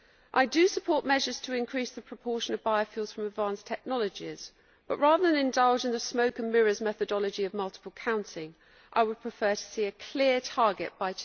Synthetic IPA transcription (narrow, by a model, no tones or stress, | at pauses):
ʔaɪdəsəpʰɔˑʔmɛʒəz̥tʰəɪ̃nkʰɹ̥iˑsðəpʰɹ̥əpʰɔˑʃə̃nəvbaɪəfjuːlˠdz̥fɹə̃mədvɑ̃ˑnstʰɛk̚nɒləd͡ʒɪz̥ | b̥ʌ̰ʔɹɑːðəðə̃nɪ̃ndʌlˠd͡ʒɪ̃nðəsməʊkə̃nmɪɹəzmɛθədɒləd͡ʒiəvmʌlˠtɪ̥pəlˠkʰãʊ̃ntʰɪ̃ŋ | ʔaɪwəd̚pʰɹ̥ɪfɜːtʰə̥siːəkʰl̥ɪətʰɑːɡɪ̰ʔ̚b̥aɪ